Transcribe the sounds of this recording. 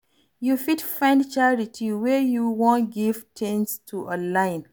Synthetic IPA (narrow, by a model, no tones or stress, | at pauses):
jufidfãɪ̃ndt͡ʃaɹitʰiwɛjuwɔ̃nɡiv̥tʰẽnstʰuʔɔ̃lãɪ̃n